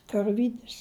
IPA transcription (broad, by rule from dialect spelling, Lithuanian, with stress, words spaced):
kɐrʲˈʋʲiːdʲɪs